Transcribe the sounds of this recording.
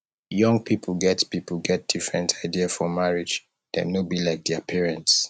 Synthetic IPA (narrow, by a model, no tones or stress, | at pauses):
jɔ̃ŋɡ̚pʰipʰl̩ɡɛtpipl̩ɡɛt̚d̥ifɹɛ̃ntʰaɪdiafɔmaɹid͡ʒ | d̥ɛ̰nobilaɪk̚d̪ɛapʰiɹɛ̃nts